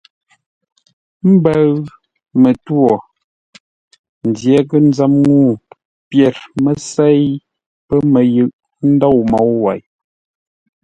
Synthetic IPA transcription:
m̩˦bə˦ɣ | mə˨two˨ | n̩˨djɛ˨˦kə˦n̩˦za˦mŋu˦˨ | pjɛ˨ɾmə˨sɛ˦˨j | pə˦mə˨jɯ˨ʔ | n̩˦dɔ˦˨wmɔ˨˦wwa˨j

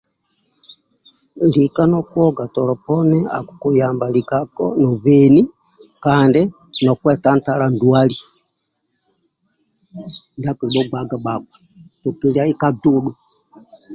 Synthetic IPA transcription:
li˨ka˦nɔ˦kwɔ˦ɡa˨tɔ˨lɔ˨pɔnɛa̰˨ku˨ku˨jambalikakɔ̰nɔ˨βɛ˨ni˦ | kandɛ | nɔ˨kwɛ˦ta˦nta˦ɾa˨ndwa˦li˨ | nda˦ku˨ɾi˨ɓɔ˦ɡ͡ba˨ɡa˨ɓa˨k̚wɛ | tu˨ki˨lia˦i˦ka˦du˦ɗwɛ˨

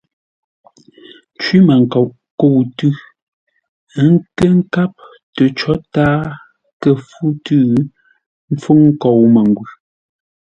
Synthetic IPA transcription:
t͡ʃwi˦ma˨ŋ̩˨kɔ˨wʔ | ko˦˨wtʉ˦ | ŋ̩˦kə˦ŋ̩˦ka˦p̚ | tə˨t͡ʃɔ˦taː˦ | kə˦fu˦tʉ˦˨˦ | m̩˦fu˦ŋŋ̩˦kɔ˨wmə˨ŋ˨ɡwʉ˨

